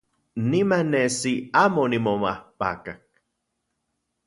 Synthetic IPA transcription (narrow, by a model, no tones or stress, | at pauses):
nimanesiamonimomahpa̰kak̚